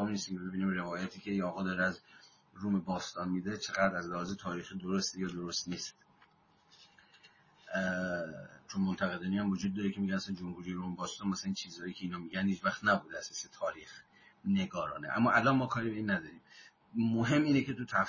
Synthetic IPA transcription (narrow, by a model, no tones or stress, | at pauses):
ɒmnist̪imebe̞biːniːmre̞vɒːjæt̪ʰiːcʰʲe̞jɒːɣɒːd̪ɒːɾeæz | ɾumebɒːst̪ɒːnmiːd̪et͡ʃʰeɣæd̪ɾæzlæhɒːzet̪ʰɒːɾiːxid̪oɾost̪ejɒːd̪oɾost̪niːst̪ | t͡ʃʰonmont̪ʰæɣe̞d̪ɒːnijæmvod͡ʒuːd̪̚ːɒːɾecʰemiɟʲænæsænd͡ʒomhuːɾijeɾuːmebɒːst̪ɒːnmæsælæint͡ʃʰiːzɒːjiːcʲʰe̞iːnhɒːmiɟænd̪hiːd͡ʒvæχt̪næbuːd̪eæseset̪ʰɒːɾiːx | ne̞ɡɒːɾɒ̰ːneʔæ̰mːɒːʔælɒnmɒːkʰɒːɾiːbe̞iːnːæd̪ɒːɾiːm | moɦe̞mːiːnecʰe̞t̪ʰut̪ʰæf